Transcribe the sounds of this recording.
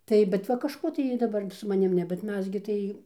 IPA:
ˈtɐɪ bʲɛt ˈʋɐ kɐʃˈkoː tɐɪ ˈjiː dɐˈbɐr sʊ mɐˈnʲɪm ˈnʲɛ bʲɛt ˈmʲɛs ɡʲɪ tɐɪ

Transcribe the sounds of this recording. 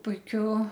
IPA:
pʊɪˈkʲʊ

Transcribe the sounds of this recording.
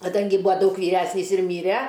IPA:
kɐˈdɐŋʲɡʲɪ ˈbuːɐ ˈdɐʊk ʋʲiːˈrʲæːsʲnʲiːs ɪr ˈmʲiːrʲɛ

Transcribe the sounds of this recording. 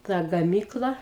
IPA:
ˈtɐ ɡɐˈmʲiːklˠɐ

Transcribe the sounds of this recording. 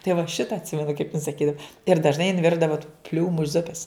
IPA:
tɐɪ ʋɐ ˈʃʲɪtɐ ɐtʲˈsʲɪmʲɛnʊ kɐɪp ɪn sɐˈkʲiːdɐw ɪr dɐʒˈnɐɪ jɪn ˈʋʲɪrdɐʋɐ tuː ˈpʲlʲuːmʊ ˈzʊpʲɛs

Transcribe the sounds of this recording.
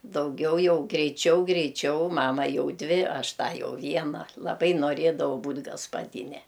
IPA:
dɐʊˈɡʲɛʊ ˈjɛʊ ɡrʲɛɪˈt͡ʃʲɛʊ ɡrʲɛɪˈt͡ʃʲɛʊ ˈmɑːmɐ ˈjɛʊ ˈdʲʋʲɪ ˈɐʃ ˈtɑː ˈjɛʊ ˈʋʲiɛnɐ lˠɐˈbɐɪ noːˈrʲeːdɐʋɐʊ ˈbuːtʲ ɡɐspɐˈdʲɪnʲɛ

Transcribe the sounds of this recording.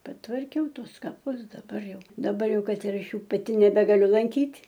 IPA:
pɐtʋɐrʲˈkʲɛʊ ˈtuɔs kɐˈpʊs dɐˈbɐr ˈjɛʊ dɐˈbɐrʲˈjɛʊ ˈkɐt ɪr ˈɐʃ ˈjuː pɐˈtʲɪ nʲɛbʲɛɡɐˈlʲʊ lˠɐŋʲˈkʲiːtʲ

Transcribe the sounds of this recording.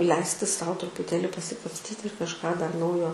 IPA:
ˈlʲɛɪsʲtʲɪ ˈsɐʊ trʊpʊˈtʲeːlʲɪ pɐsʲɪkɐpʲsʲˈtʲiːtʲɪ ɪr kɐʃˈkɑː dɐr ˈnɐʊjoː

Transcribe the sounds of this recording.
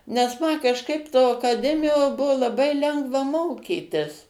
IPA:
nʲɛs ˈmɐ kɐʃˈkɐɪp toː ɐkɐˈdʲæːmʲɪjoːˈbʊʋoː lˠɐˈbɐɪ ˈlʲɛŋɡʋɐ ˈmoːkʲiːtʲɪs

